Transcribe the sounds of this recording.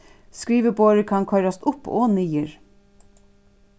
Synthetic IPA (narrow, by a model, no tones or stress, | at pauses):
skɾiːʋəboːɾəkʰɑnkʰœʏɾast̪ʊpo̰ːniːəɹ